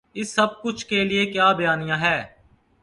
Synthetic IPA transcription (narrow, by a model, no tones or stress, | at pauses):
ɪsːɐb̚kʊt͡ʃʰkelɪekjaːbjaːnɪjãːɦɛː